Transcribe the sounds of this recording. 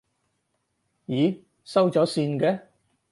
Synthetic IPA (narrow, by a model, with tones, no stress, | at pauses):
jiː˨˥ | sɐ˥wt͡sɔː˨˥siː˧nkɛː˧